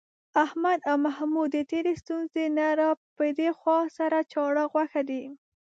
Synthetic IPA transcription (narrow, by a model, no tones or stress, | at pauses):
ahmad̪awmahmud̪ːət̪eɾest̪unzenaɾapəd̪exwɑsaɾat͡ʃɑɽəɣwaxad̪i